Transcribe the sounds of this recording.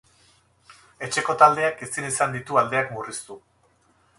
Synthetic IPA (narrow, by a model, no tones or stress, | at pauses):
e̞t͡ʃe̞ko̞t̪ald̪e̞akesinisand̪it̪uald̪e̞akmurist̪u